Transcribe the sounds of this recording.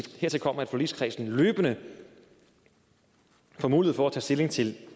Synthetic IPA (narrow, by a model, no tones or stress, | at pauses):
heɐt͡sʰe̝lkʰɒ̽m̰ɐæd̥foli̥skʰʁḭːsn̩løːb̥ənə | fɒmuːlieð̩ˠfɒæt͡sʰɛ̰ːsd̥e̝le̝ŋt͡sʰe̝l